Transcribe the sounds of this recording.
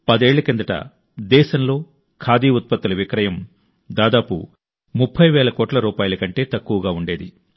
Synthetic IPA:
pɐd̪eːɭːɐkind̪ɐʈɐ̰ | d̪ɛːʃɐmlo̞ː | kʰaːd̪iːut̪̚pɐt̪ːulɐʋikɾɐjɐm | d̪aːd̪aːpṵ | mupʰːɐjʋɛːlɐkɔːʈlɐɾuːpaːjulɐkɐɳʈe̞ːt̪ɐkːuʋɐɡaːuɳɖe̞ːd̪ḭ

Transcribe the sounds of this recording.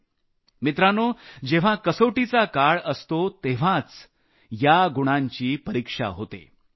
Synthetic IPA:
mit̪ɾanod͡ʑeʋ̤akəsoʈit͡sakaɭəst̪ot̪eʋ̤ãt͡s | jaɡuɽ̃aɲt͡ɕiːpəɾikʂa̰ɦot̪ḛ

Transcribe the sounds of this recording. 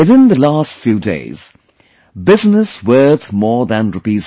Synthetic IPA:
wɨθɪ̃nðəlastfjʉːdḛɪz̥ | bɪznəswɜ˞θmɔːɹðə̃nɹɨpiz

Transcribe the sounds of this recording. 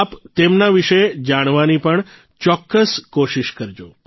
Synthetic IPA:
apt̪emnaʋiʃəed͡ʒaɽ̃ʋanipəɳ | t͡ʃɔkːəskoʃiʃkəɾd͡ʒo

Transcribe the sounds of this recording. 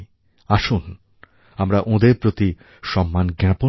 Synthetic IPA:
aʃun | amɾaʔõd̪eɾpɾot̪i | ʃɔmːanɡɾɛpo

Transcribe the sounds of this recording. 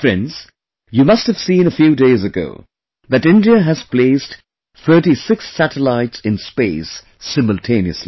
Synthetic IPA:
fɹɛ̰̃ndz̥ | jumʌsthɨv̥sĩːnəfjuːdeɪzɨɡo̰ʊ | ðɨtɪ̃ndiəɦɨz̥pleɪst | θɜ˞ɾisɪksːæɾəlaɪtsɨ̃nspeɪsː | ɪ̃məl̩ˠtʰẽɪ̃niɨsli

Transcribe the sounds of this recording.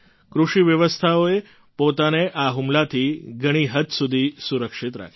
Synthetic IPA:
kɾuʃiʋjəʋəst̪ʰaoe | pot̪aneʔaɦumlat̪ʰiɡʱəɽ̃iɦət̪sud̪ʱisuɾəkʃit̪ɾa̰kʰ

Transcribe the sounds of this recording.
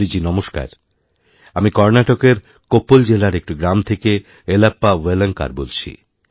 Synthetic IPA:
id͡ʑinɔmoʃka̰ɾ | amikɔɾnaʈokeɾ | kopːold͡ʑelaɾek̚ʈiɡɾamt̪ʰeke | elapːaweleŋka̰ɾbolt͡ɕʰḭ

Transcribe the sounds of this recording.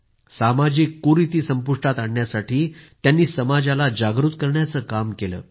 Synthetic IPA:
samad͡ʑikːuɾit̪iːsəmpuʂʈat̪aɳːjasaʈʰiːt̪janːiːsəmad͡ʑalad͡ʑaɡɾut̪kəɾɳjat͡səːkamkelə̰ː

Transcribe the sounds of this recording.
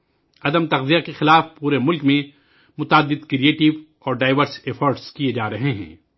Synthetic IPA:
ɐd̪əmt̪ɐqzijakexɪlaːfpuːɾemʊlkmẽ | mʊt̪ːd̪ːɪd̪kɾieːʈɪʋ | ɔːɾɖaːɪʋəɾsefʰɔːɾʈskied͡ʒaːɾɐɦeɦɛ̰̃ː

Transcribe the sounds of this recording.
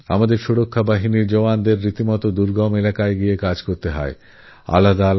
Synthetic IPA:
a̰mad̪eɾʃuɽokʰːabaɦiniɾd͡ʑoʋand̪eɾːit̪imɔt̪od̪uɾɡɔmelakaeɡiekad͡ʑkoɾt̪eɦɔ̰e | a̰lad̪al

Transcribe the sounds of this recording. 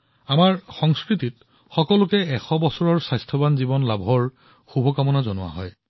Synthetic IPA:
amaɹxɔŋskɹitit | xɔkɔlʊkɛɛxɔbɔsɔɹɔɹsajstʰɔbanzibɔnlabʱɔɹ | xubʱɔkamɔnazɔnʊwa̰ɦɔ̰j

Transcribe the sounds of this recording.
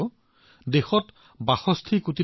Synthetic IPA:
dexɔt | baxɔst̪ʰikuti

